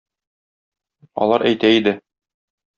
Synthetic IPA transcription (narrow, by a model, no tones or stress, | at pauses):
ɒ̰lˠɑɾʔæjt̪æid̪ɘ